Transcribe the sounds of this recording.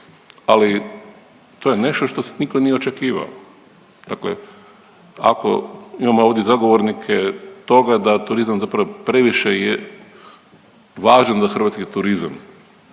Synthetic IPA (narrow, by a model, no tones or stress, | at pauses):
ali | t̪ojene̞ʃt̪oʃt̪o̞se̥nikonijeo̞t͡ʃekiːʋa̰o̰ | d̪̥aklḛ | a̰ko̞̰imamooʋd̪jezaɡo̞ʋoɾnikʰet̪o̞ɡad̪at̪uɾizamzapɾaʋopɾe̞ʋiʃeje | ʋaːʒanzaxr̩ʋat̪skit̪uɾiza̰m